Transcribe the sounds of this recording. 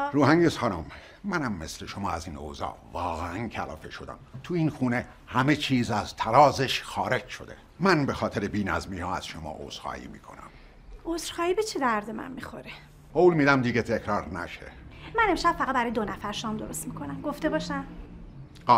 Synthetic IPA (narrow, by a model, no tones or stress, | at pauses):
ɾuːhæŋɟesxɑnumː | ænæmːe̞sleʃomɒːæziːno̰zɒ̰ːvɒːɣeæncʰælɒ̰ːfeʃo̞d̪æ̰mt̪ʰuinxuːne | hæme̞t͡ʃʰiːzæzt̪ʰæɾɒːzeʃxɒːɾe̞d͡ʒʃo̞d̪e̞̰ | mænbexɒːt̪ʰeɾebiːnæ̰zmiːhɒːæz̥ʃomɒ̰ːʔo̰z̥xɒ̰ːʔḭːmḭːkʰo̞̰næ̰m | osɾxɒːiːbet͡ʃʰed̪æɾd̪emæ̰nmixo̞ɾe | owlmiːd̪æmd̪iːɡet̪ʰekʰɾɒːɾnæ̰ʃḛmæne̞mʃæb̥̚fæɣæt̪̚bæɾɒːjed̪o̞næfæɾʃɒːmd̪o̞̰ɾost̪mikʰo̞næmɡoft̪e̞bɒːʃæm